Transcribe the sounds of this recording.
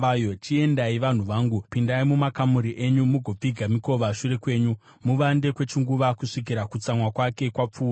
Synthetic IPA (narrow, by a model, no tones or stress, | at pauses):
jot͡ʃie̞ndaiʋan̤uʋaːŋɡupindaimumakamuɾiʔe̞ɲumuɡʱo̞b͡viɡʱamiko̞ʋaʂure̞kwe̞ːɲu | muʋande̞kwe̞t͡ʃiŋɡuʋakuʂik̬iɾakut͡samwakwake̞kwap͡fuːa